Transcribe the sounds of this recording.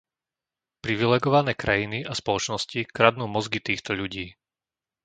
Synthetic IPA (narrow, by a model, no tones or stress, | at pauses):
pɾiʋilɛːɡɔʋanɛːkɾajiniʔaspɔlɔt͡ʃnɔscikɾad̪nuːmɔzɡit̪iːxt̪ɔʎuɟiː